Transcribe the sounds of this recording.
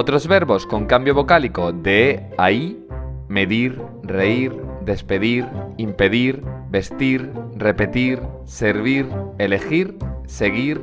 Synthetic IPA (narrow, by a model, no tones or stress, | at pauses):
ot̪ɾo̞zβe̞ɾβo̞sko̞ŋkambjo̞βo̞kaliko̞d̪eaime̞ðiɾre̞iɾd̪e̞spe̞ðiɾimpe̞ðiɾbe̞st̪iɾre̞pe̞t̪iɾ | se̞ɾβiɾe̞le̞xiɾse̞ɣiɾ